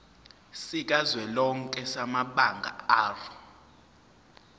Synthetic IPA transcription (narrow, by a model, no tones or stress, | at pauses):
sik̬ʼazwɛlɔŋ̩kʼɛsamaɓaŋɡʱa̰aːrɔ